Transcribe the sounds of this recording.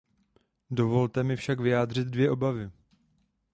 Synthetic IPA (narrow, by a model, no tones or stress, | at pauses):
do̞vo̞lt̪ɛmɪfʃakvɪjaːd̪r̝ɪd̪̚dvjɛʔo̞bavɪ